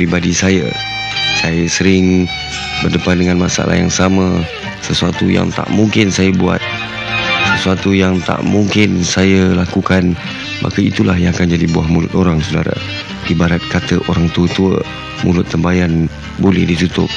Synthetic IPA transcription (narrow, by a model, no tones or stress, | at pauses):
pɾibadisajə̰ | sajəsəɾɪŋ | bərdəpat̪̚dəŋanmasaa̰la̰ɦja̰ŋsamə̃ | səsuat̪uja̰ŋt̪a̰ʔmuŋkɪnsajəbua̰t̪̚ | səsuat̪ujaŋt̪a̰ʔmuŋkɪnsajəlakukan | mʔa̰kəit̪ulahjaŋakand͡ʒadibua̰hmulʊt̪oɾaŋsudaɾa̰ | dibaɾat̪̚kat̪əʔoɾaŋt̪uət̪uə̰ | mulʊt̪ːəmbajan | bolɛ̰hdit̪ut̪ʊ̰p̚